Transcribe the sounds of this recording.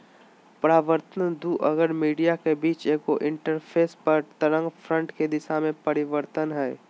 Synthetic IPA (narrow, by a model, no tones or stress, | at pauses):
pɾaːʋəɾt̪ənd̪uːʔɐɣəɾmiːɖijakebiːt͡ʃeːkoʔɪ̃ɳʈəɾpʰeːspəɾt̪əɾə̃ŋɡfʰɾə̃ɳʈked̪ɪʃamẽpɐɾɪʋəɾt̪ənɦɛː